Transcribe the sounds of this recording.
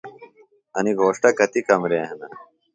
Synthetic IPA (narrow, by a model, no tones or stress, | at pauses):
ɐniɡʱoːʂʈɐkɐt̪ikɐmɾeɐɦɐnɐ